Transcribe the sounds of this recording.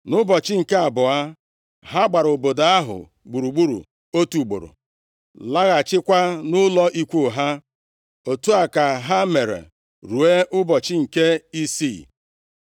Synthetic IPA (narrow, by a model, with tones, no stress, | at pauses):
nʊ˦bɔ˨t͡ʃɪ˦ŋ̩˨ke˦a˨bʊ˨a˦ | ɦa˦ɡ͡ba˨ɾo˨bo˨do˨a˦ɦʊ̰˨ | ɡ͡bu˨ɾu˨ɡ͡bu˦ɾṵ˨ | o˦tu˨ɡ͡bo̰˨ɾo̰˨ | la˦ɣa˨t͡ʃɪ˦kʷa˦nʊ˦lɔ˦ʔi˦kʷo˦˨ɦa˦ | o˨tu˦a˨ka˨ɦa˦me˨ɾḛ˨ | ɾu˨e˦ʔʊ˦bɔ˨t͡ʃɪ˦ŋ̩˨ke˦i˦si˦˨